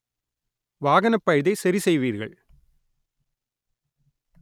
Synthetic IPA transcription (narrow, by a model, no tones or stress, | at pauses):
ʋaːɣɐnɐpːɐjðɐɪsɐɾisɛjʋiːɾɣɐ̰ɭ